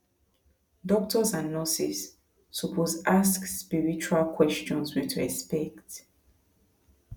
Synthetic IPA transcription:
dɔk̚tʰɔsãnːɔsisː | upʰɔsaskspiɹit͡ʃualkʰwɛst͡ʃɔ̃nswitʰuɛspɛkt

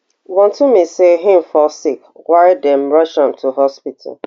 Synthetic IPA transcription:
wɔ̃ntʰumiseɦɪ̃m̩fɔsikwaɹidɛ̃mɹʌʃãmtʰuɦɔspitʰa̰l

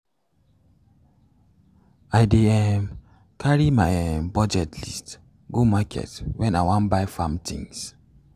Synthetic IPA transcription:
aɪdeɛm | kʰaɹimabɔd͡ʒɛtʰlḭst | ɡomakʰɛ̰twɛ̃naɪwãnbaɪfãmtʰḭ̃ŋs

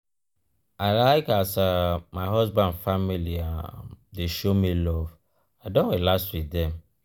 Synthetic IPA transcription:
aɪlaɪkasamaɪɦɔzbãndfamiliadeʃomilɔv | aɪdõnwilastwidɛ̃m

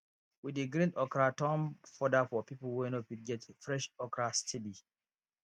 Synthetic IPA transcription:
widəɡɾĩndɔkɹatɔ̃mfɔdafɔpiplwɛnɔtwud̚ɡɛtfɹɛʃɔkɹastʰibi

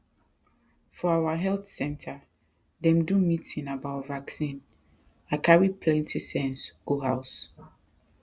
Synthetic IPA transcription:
fɔawaɦɛlθsɛ̃ntʰa | dɛ̃mdumitĩnabaʊtvaksĩn | akʰaɹipʰlɛ̃ntʰisɛ̃nsɡ̥uɦaʊs

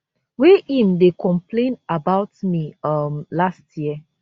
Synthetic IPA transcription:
weĩmdekʰɔ̃mplẽnabaʊtmiʌmlastʰjiə

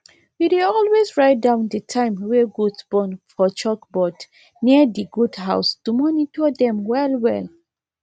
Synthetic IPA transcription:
wideɔlwezɹaɪt̚dãʊ̃ndətʰãɪ̃mweɡudsb̥ɔ̃nfɔt͡ʃɔkbɔd | nidiɡudɦa̰ʊstumɔnitɔdɛ̃mwɛlwɛ̰l

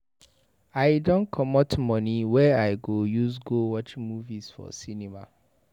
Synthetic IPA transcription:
aɪdɔ̃nkʰɔmɔtmɔniwɛaɪɡojusɡowɔt͡ʃmuvisfɔ̰sinima̰

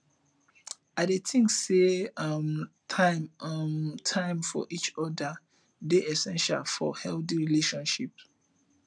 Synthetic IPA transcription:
aɪdetʰĩŋkseʌm | tʰãɪmmtʰãɪ̃mfɔ̰ʔit͡ʃɔda | deɛsɛ̃nʃa̰lfɔ̰hɛlθiɹileʃɔ̃nʃip

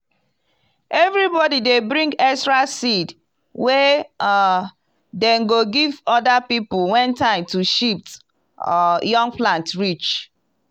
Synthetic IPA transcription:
ɛvɹibɔdidebɹĩŋɡɛstɹasid | wɛ | dɛ̃nɡoɡivɔdapiplwɛ̃ntãɪ̃mtuʃip̚t | jɔ̃ŋɡplãntɹit͡ʃ

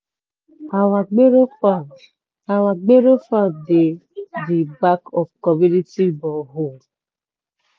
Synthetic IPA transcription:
awaɡ͡beɾoa | awaɡ͡beɾofadedibakɔfkɔminitibɔɦo

